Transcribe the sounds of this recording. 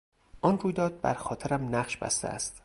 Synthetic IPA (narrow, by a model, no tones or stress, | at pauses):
ʔɒnruːjd̪ɒːd̪̚bæ̰ɾxɒːt̪ʰeɾæmnæχʃbæ̰st̪ʰḛæ̰st̪